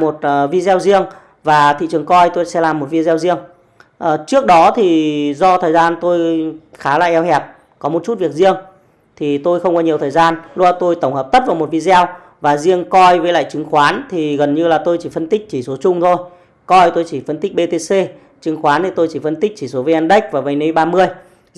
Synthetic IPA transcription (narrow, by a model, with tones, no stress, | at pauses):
mo˨˩t̚ːvi˧zɛ˧wzi˧əŋ | vaː˨˩t̪ʰḭ˧˨t͡ɕɨ˨˩əŋkɔ˧jt̪o˧jsɛ̰˧˥laː˨˩mːo˨˩t̚vi˧zɛ˧wzi˧əŋ | ʔəː˨˩t͡ɕɨ˦˥ək̚ɗɔ˨˦t̪ʰi˨˩zɔ˧t̪ʰəː˨˩jzaː˧nt̪o˧jxaː˨˦la̰ː˧˨ʔɛ˧whɛ˨˩p̚ | kɔ˨˦mo˨˩t̚t͡ɕu˦˥t̚vi˨˩ək̚zi˧əŋ | t̪ʰi˨˩t̪o˧jxə˧wŋ͡mkɔ˨˦ɲi˩ət̪ʰəː˨˩jzaː˧nlu˧a˧t̪o˧jt̪ə˧˩wŋ͡mhə˨˩p̚t̪ə˦˥t̚vaː˨˩wm˨˩t̚vi˧zɛ˧w | vaː˨˩zi˧əŋkɔ˧jvəː˨˦la̰ː˧˨jt͡ɕɨ˨˦ŋxwaː˨˦nt̪ʰi˨˩ɣə˨˩nɲɨ˧laː˨˩t̪o˧jt͡ɕi˧˩fə˧nt̪ï˦˥k̟̚t͡ɕi˧˩so˨˦t͡ɕʊ˧ŋ͡mt̪ʰo˧j | kɔ˧jt̪o˧jt͡ɕi˧˩fə˧nt̪i˦˥k̚ɓe˧t̪e˧se˧ | t͡ɕɨ˨˦ŋxwaː˨˦nt̪ʰi˨˩t̪o˧jt͡ɕi˧˩fə˧nt̪i˦˥k̚t͡ɕi˧˩so˨˦vəː˨˦ʔɛː˧nɗə˦˥jk̚vaː˨˩və˨˩jni˧jɓaː˧mɨ˧əj